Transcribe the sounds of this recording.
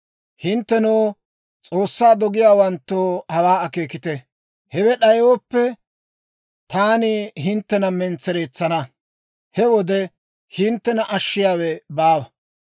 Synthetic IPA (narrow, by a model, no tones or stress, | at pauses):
hɪnt̪ːɛnɔː | t͡sʼo̞ːsːaːd̪ɔɡɪjaːwɐnt̪ːoːhɐwaːɐkeːkɪt̪ɛ | hɛwɛɗɐjwɔpːɛ | t̪aːnɪɦɪnt̪ːɛnɐmɛnt͡sːɛɾeːt͡sːɐnɐ | hɛwɔd̪ɛ | hɪnt̪ːɛnɐʔɐʃːɪjaːwɛbaːwɐ